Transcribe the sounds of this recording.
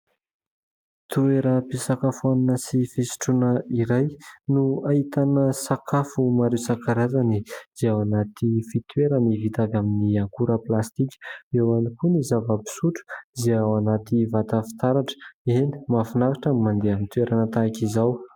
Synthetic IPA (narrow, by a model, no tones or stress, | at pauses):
t̪ueɾəpisakafuaninəsifisi̥ʈ͡ʂunəiɾajnuait̪anəsakʰafumaɾewsakaɾazaniz̥eawanat̪ifit̪weɾənivit̪avʲaminiaŋkuɾəplast̪ikʲə̥ewanikunizavəpi̥suʈ͡ʂu̥zeawanat̪ivat̪afi̥t̪aɾaʈ͡ʂə̥eni̥mafunavaʈ͡ʂamimand̪eamint̪ueɾanat̪aakizaw